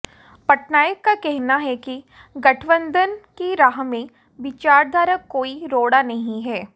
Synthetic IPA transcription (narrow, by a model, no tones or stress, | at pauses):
pɐʈnaːjəkːakɛɦnaɦɛki | ɡɐʈʰʋə̃nd̪ʱənkiɾaːɦmẽ | ʋɪt͡ʃaːɾd̪ʱaːɾəkːoːiɾoːɽanɐɦĩɦɛː